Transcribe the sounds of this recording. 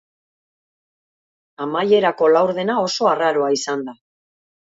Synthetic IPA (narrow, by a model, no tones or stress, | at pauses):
amaje̞ɾako̞lawɾðe̞nao̞so̞araɾo̞aisand̪a